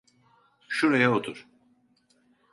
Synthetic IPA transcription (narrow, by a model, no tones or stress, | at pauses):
ʃuɾajaot̪ʰuɾ̥